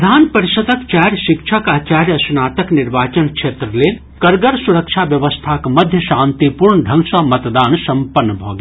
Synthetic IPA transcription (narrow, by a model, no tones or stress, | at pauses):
d̪ʱaːnpɐɾiʃɐd̪ɐkt͡ʃaːɾjʃɪkʃʰɐkaːt͡ʃaːɾjɐsunaːt̪ɐkniɾʋaːt͡ʃɐnkʃʰeːt̪ɾəleː | kɐɾɡɐɾsuɾɐkʃʰaːʋjɐʋɐst̪ʰaːkmɐd̪ʱjəʃãːnt̪ipuɾɳɖʱɐ̃ŋɡsaːmɐt̪d̪aːnsɐmpɐnːəbʱo̰ːɡ